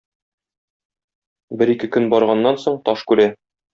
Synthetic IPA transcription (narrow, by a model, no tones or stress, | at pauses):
bɘɾikɘkɵnbɒɾʁɑnːɑnsoɴt̪ɒʃkʉɾæ